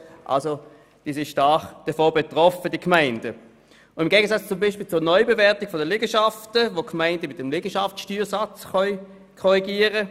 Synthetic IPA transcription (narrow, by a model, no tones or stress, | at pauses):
ʔa̰lso | d̥iːsɪʃtɑːχd̥əfoːbetʁɔfədikmaɪnd̥ə | ɪmɡeːɡəsat͡st͡sʊmbiʃpilt͡suːɐnɔʏbevɛɐtɪɡ̥fɔdəlɪɡəʃɑftəvokʰmaɪndəmɪt̚dɛmlɪɡ̥əʃɑfʃtyːʁsɑt͡sχœʏ | kʰɔʁiɡiːəʁə